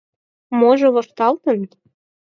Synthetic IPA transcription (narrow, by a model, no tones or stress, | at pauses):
moʒɤ̆βŏʃt̪ɑlt̪ɤ̆n